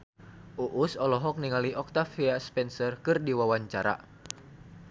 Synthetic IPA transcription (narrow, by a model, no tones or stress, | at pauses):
ʔuʔusɔlɔɦɔk̚niŋaliʔɔk̚t̪afiaspɛnsərkɨrdiwawaɲt͡ʃaɾa̰